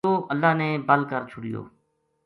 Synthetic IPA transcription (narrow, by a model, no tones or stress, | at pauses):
oːʔəlːaːneːbəlkəɾt͡ʃʰʊɽɪjo̰ː